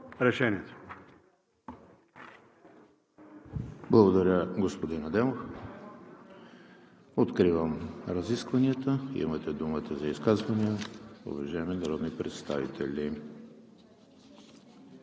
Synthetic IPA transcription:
ɾɛʃɛnʲiət̪o̥ | blˠɐɡod̪ɐɾʲəɡospod̪inɐd̪ɛmof | ot̪kɾivəmɾɐziskvɐniət̪əḭmɐt̪ɛd̪umət̪əzɐiskazvɐniəo̰vɐʒaɛminɐɾɔd̪nipɾɛ̰t̪st̪a̰vḭt̪ʰɛ̰lʲi

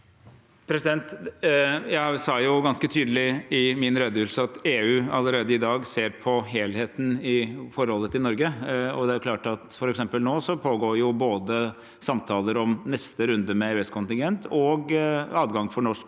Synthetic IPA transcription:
pʰɾɛsɪd̪ɛnt̪ | jæɪsɑːjʊɡɑnskət̪ʰyːd̪əlɪɪmɪnɾed̪əʉlsəɑt̪eːʉːɑlːəɾeːd̪əɪd̪ɑːɡseːɾpʰɔɦeːlheːt̪n̩ɪfɔɾhɔlːət̪ɪnɔɾɡəɔd̪ɛæɾjʊkʰlɑːʈɑt̪fɔɾɛksɛmpəlnoːsɔpʰoːɡoːɾjʊboːd̪ə | sɑmt̪ʰɑːləɾɔmnɛst̪əɾʉnd̪əmɛeːɛskʊnt̪ɪŋɡɛnt̪ʰɔɡɑːd̪ɡɑŋfɔɳɔʂk

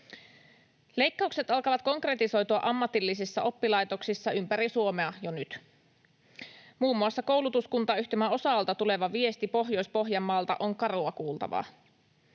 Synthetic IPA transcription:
le̞jkːɑukse̞t̪ɑlkɑʋɑt̪̚ko̞ŋkre̞t̪iso̞jt̪uɑ̰ʔɑmːɑt̪ilːis̬isːɑʔo̞pːilɑjt̪o̞ksisːɑympæɾisuomeɑjonyt̪ | muːmːuɑsːɑko̞wlut̪uskunt̪ɑːyçt̪imæo̞sɑlt̪ɑt̪ule̞ʋɑʋie̞st̪ipo̞ɦjo̞jspo̞ɦjɑmːɑːlt̪ɑ̰ʔo̞ŋkɑruɑkuːlt̪ɑ̰ʋɑ̰

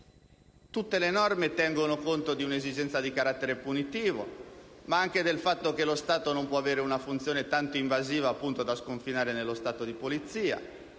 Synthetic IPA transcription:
t̪ut̪ːelenɔrmet̪ɛŋɡonokont̪od̪iunezid͡ʒɛnt̪sad̪ikaɾat̪ːeɾepunit̪iːvo̰maaŋk̟ed̪elfat̪ːok̟elost̪aːt̪onompwɔaveːɾeunafunt̪sjoːnet̪ant̪oiɱvaziːvaːpːunt̪od̪askoɱfinaːɾenelːost̪aːt̪od̪ipolit̪siːa̰

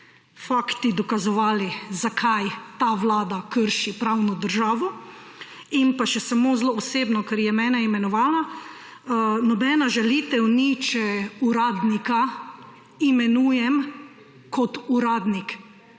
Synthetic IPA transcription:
fakt̪id̪ɔkazɔʋaːlizakʰajt̪aʋlaːd̪akəɾʃipɾawnɔd̪əɾʒaːʋɔ | impaʃɛsamozloːseːbnɔkaɾjɛmɛːnɛimɛnɔʋaːlna | nɔbɛnaʒɛliːt̪ɛwnit͡ʃɛuɾaːd̪nika | imɛnuːjɛm | kɔt̪uɾaːd̪nik

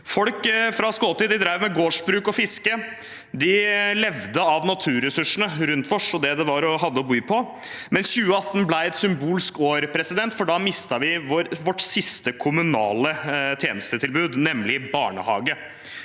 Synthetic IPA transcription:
fɔlkfɾɑskoːt̪iːd̪ɪd̪ɾæɪʋmɛɡoːʂbɾʉːkɔfɪskə | d̪ɪlɛʋd̪əɑʋnɑt̪ʰʉːɾɛsʉʂnəɾʉnt̪ʋɔʂɔd̪ɛd̪ɛʋɑɾɔɦɑd̪ːəɔbyːpʰɔ | mɛnsçʉːəɑt̪ːnblæɪɛt̪sʏmbuːlskoːɾpʰɾɛsɪd̪ɛnt̪fɔɖɑmɪst̪ɑʋɪʋɔʋɔʈsɪst̪əkʰʊmʉnɑːlət̪ʰjeːnəst̪ət̪ʰɪlbʉːd̪nɛmlɪbɑːɳə̰hɑːɡə

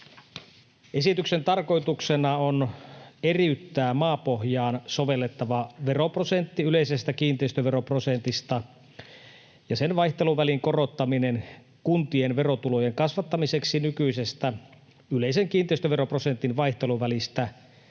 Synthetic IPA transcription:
e̞sit̪yksent̪ɑrko̞jt̪uksenɑoneriyt̪ːæːmɑːpohjɑːnso̞ʋe̞lːet̪ːɑʋɑʋe̞roprosent̪ːiyle̞isest̪ækiːnt̪eist̪øʋeɾopro̞sent̪ist̪ɑ | jɑsenʋɑjht̪e̞luʋæliŋko̞ro̞t̪ːɑminen | kunt̪ienʋe̞rot̪ulo̞jeŋkɑsʋɑt̪ːɑmise̞ksinykyise̞st̪æ | yle̞iseŋkiːnt̪ˑeist̪øʋero̞pro̞sent̪ːinʋɑjht̪e̞luʋælist̪æ

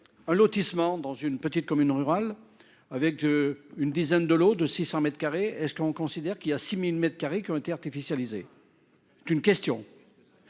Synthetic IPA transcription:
ɛ̃lɔt̪ismɑ̃d̪ɑ̃zynpət̪it̪̚kɔmynʁyʁal | avɛkynd̪izɛnd̪əlod̪əsisɑ̃mɛt̪χkaʁeɛskɔ̃kɔ̃sid̪ɛʁkiljasimilmɛt̪χkaʁekʲiɔ̃et̪eaʁt̪ifisjalize | sɛ̥t̪ynkʲɛst̪jɔ̃

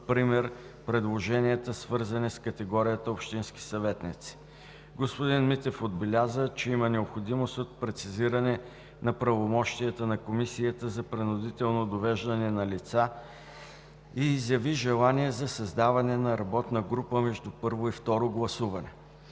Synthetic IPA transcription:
pɾimɛɾpɾɛd̪lˠoʒɛniɛt̪əsvɤɾzɐnɛskət̪ɛɡɔɾijət̪əopʃt̪inski̥sɐvɛt̪nḭt̪si̥ | ɡospod̪inmit̪ɛfod̪bɛlʲazət͡ʃɛimənɛopxod̪imost̪ot̪̚pɾɛt̪siziɾɐnɛ | nɐpɾɐvomɔʃt̪iət̪ənɐkomisijət̪əzɐpɾɛnʊd̪it̪ɛlˠnod̪ovɛʒd̪ɐnɛnɐlit̪sa | iːzjɐviʒɛlˠaniɛzɐsɐzd̪avɐnɛnɐɾɐbɔt̪nɐɡɾupəmɛʒd̪upɤɾvoift̪ɔɾoɡlˠɐsuvɐnɛ

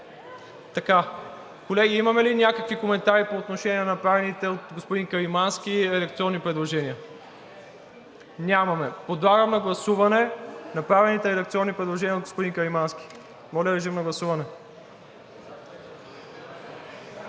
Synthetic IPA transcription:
t̪ɐka | kolɛɡiimɐmɛlinʲakəkvikomɛnt̪aɾipoːt̪noʃɛnʲɛnɐnɐpɾavɛnit̪ɛot̪ɡospod̪inkɐɾimanskʲiɾɛd̪ɐkt̪siɔnːipɾɛd̪lˠoʒɛnʲiə | nʲamɐmɛpod̪lˠaɡəmnɐɡlˠɐsuvɐnɛnɐpɾavɛnit̪ɛɾɛd̪ɐk̚t̪siɔnːipɾɛd̪lˠoʒɛniəod̪ɡospod̪inkɐɾimanski̥ | mɔlʲəd̪ɾɛʃ̬imnɐɡlˠɐsuvɐnɛ

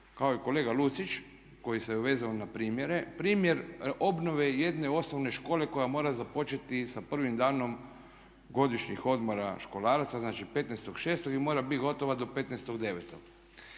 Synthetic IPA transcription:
kaoiko̞leːɡalut̪sit͡ʃ | ko̞jiseuʋe̞ːzaonapɾiːmjeɾe̞pɾiːmje̞ɾo̞bnoʋeje̞d̪ne̞o̞snoʋne̞ʃko̞ːle̞ko̞jamo̞ːɾazapo̞t͡ʃet̪isapr̩ʋimd̪aːno̞m | ɡo̞d̪iʃɲixo̞d̪mo̞ɾa̰ʃko̞laːɾat̪saznaːt͡ʃipe̞t̪nest̪o̞ɡʃeːst̪oɡimo̞ːɾabit̪ɡo̞t̪o̞ʋad̪o̞pe̞t̪nest̪o̞ɡd̪e̞ʋet̪oɡ̥

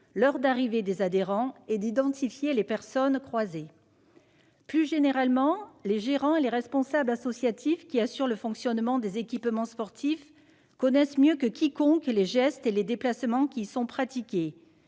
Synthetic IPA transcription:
lœʁd̪aʁived̪ezad̪eʁɑ̃ed̪id̪ɑ̃t̪ifjelepɛʁsɔnkχwaze | plyʒeneʁalmɑ̃leʒeʁɑ̃eleʁɛspɔ̃sablasɔsjat̪ʰifkʲiasyʁləfɔ̃ksjɔnmɑ̃d̪ezekʲipmɑ̃spɔʁt̪ʰif | kɔnɛsmjøkəkʲʰikɔ̃kleʒɛst̪eled̪eplasmɑ̃kʲisɔ̃pχat̪ikʲe

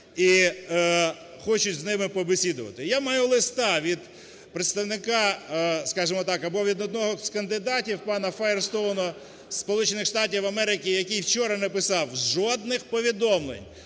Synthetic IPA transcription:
i | xɔt͡ʃʊt͡sʲznɪmɪpɔbesʲid̪ʊʋɐ̰t̪ɪjamɑjulˠɪst̪ɑʋʲid̪ | pɾet̪st̪ɐwnɪkɑskɑʒɪmɔt̪ɑkɐbɔʋʲid̪ɔd̪nɔɦɔskɐnd̪ɪd̪ɑtʲiwpɑnɐfɐɛrst̪ɔnɔ | spɔlˠut͡ʃenɪxʂt̪ɑtʲiwɐmɛɾɪkʲijɐkijwt͡ʃɔɾɐnɛpɪsɑwʒɔd̪̚nɪxpɔʋʲid̪ɔmlˠḛnʲ

